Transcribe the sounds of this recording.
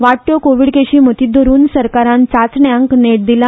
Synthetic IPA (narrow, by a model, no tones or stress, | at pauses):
ʋaʈːjokoʋiɽkeɕiːmət̪iːd̪ʱoɾuːnsəɾkaɾãnt͡sat͡sɳjãŋkneʈ̚d̪ilã